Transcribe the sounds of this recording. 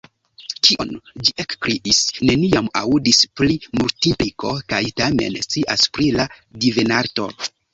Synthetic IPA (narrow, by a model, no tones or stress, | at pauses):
kʰiʔo̞̰nd͡ʒiʔe̞kkɾiʔisne̞niamaudisplimultiplikʰo̞̰kajtame̞̰nst͡siʔa̰spɾila | divenaɾto̞̰